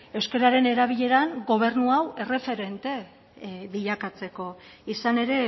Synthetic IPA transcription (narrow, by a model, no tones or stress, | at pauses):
e̞wske̞ɾaɾe̞ne̞ɾaβ̞iʎe̞ɾaŋɡo̞β̞e̞rnuawe̞re̞fe̞ɾe̞nt̪e̞ | βiʎakat͡se̞ko̞isane̞ɾe̞